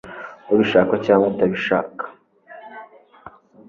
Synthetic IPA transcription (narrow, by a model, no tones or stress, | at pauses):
oβiʃaːkacaːŋotaβiʃa̰ːkḁ